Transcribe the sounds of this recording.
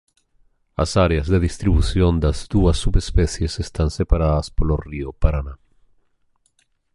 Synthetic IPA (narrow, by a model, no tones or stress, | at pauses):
a̰saɾeazðeðist̪ɾiβuθjond̪azd̪uasːuβespeθjesest̪ansepaɾaðaspoloriopaɾana